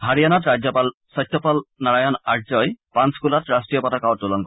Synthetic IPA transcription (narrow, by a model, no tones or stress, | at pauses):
ɦaɹijanɔtɹad͡ʑjɔpal | sɔjtʰːɔpɔlnaɹajɔnazɔjpanskulɔtɹastɹijɔpɔtakawtːulɔnkɔ